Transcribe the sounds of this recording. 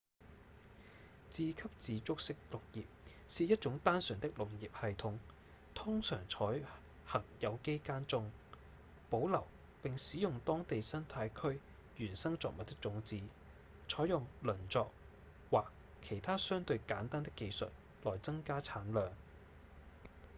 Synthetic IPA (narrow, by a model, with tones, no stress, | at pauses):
t͡siː˧kʰɐ˥p̚t͡siː˨˧t͡sʊ˥k̚sɪ˥k̚lʊ˨k̚jiː˨p̚siː˨jɐ˥t̚t͡sʊ˨˥ŋt̪aː˥nsœː˨˩ŋt̪ɪ˥k̚lʊ˨˩ŋji˨p̚hɐ˨jt̪ʰʊ˨˧˥ŋ | t̪ʰʊ˥ŋsœ̰ː˨˩ŋt͡sʰɔː˨˥j | hɐ˨˩ŋjɐ˨˧wke˥jkaː˥nt͡sʊ˥ŋ | po˨˥wlɐ˨˩w | pɪ˨ŋsiː˨˥jʊ˨ŋt̪ɔː˥ŋt̪e˨jsɐ˥nt̪ʰaː˧jkʰɵ˥ɥ | jyː˨˩nsɐ˥ŋt͡sɔ̰˨k̚mɐ˨t̪̚ːɪ˥k̚t͡sʊ˨˥ŋt͡siː˨˥ | t͡sʰɔː˨˥jʊ˨ŋlɵ˨˩nt͡sɔː˨k̚ | waː˨k | kʰe˨˩jt̪ʰaː˥sœː˥ŋt̪ɵ˧ɥkaː˨˥nt̪aː˥nt̪ɪ˥kːe˧jsɵ̰˨t̚ | lɔː˨jt͡sɐ˥ŋkaː˥t͡sʰaː˨˥nlœː˨ŋ